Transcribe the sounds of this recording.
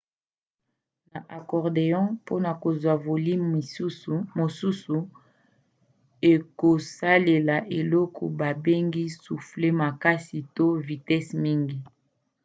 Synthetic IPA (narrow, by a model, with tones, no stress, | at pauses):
na˨ʔa˨kɔ˨ʁde˨jɔ̃˦po˦na˨ko˨zwa˨vo˨li˦˨˦mo˨su˦su˨ | e˨ko˨sa˦le˨la˨ʔe˨lɔ˦kʰɔ̰˨ba˨be˦ŋɡi˦su˨fle˦ma˨ka˦si˨to˦vi˨tɛ˦smi˦ŋɡi˨